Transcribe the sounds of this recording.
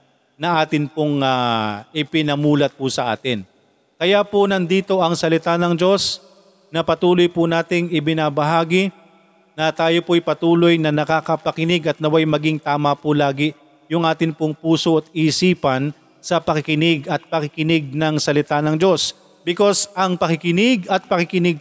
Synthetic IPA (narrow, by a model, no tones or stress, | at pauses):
nɐʔaːt̪ɪnpoŋaʔɪpɪnɐmuːlɐt̪̚pʊsɐʔa̰ːt̪ɪn | kɐjaponɐnd̪iːt̪o̞ʔɐŋsɐlɪt̪anɐŋd͡ʒo̞s | nɐpɐt̪uːlo̞jpʊnaːt̪ɪŋɪbɪnabɐɦaːɡɪ | nɐt̪aːjo̞poɐjpɐt̪uːlo̞jnɐnɐkakɐpɐkɪnɪɡɐt̪̚nɐwajmɐɡɪŋt̪aːmɐpʊlaːɡɪ | jʊŋʔaːt̪ɪnpoŋpuːso̞ʔɐt̪̚isiːpɐn | sɐpɐkɪkɪnɪɡɐt̪̚pɐkɪkɪnɪɡ̚nɐŋsɐlɪt̪anɐŋd͡ʒo̞s | bɪko̞sʔɐŋpɐkɪkɪnɪɡɐt̪̚pɐkɪkɪnɪɡ̚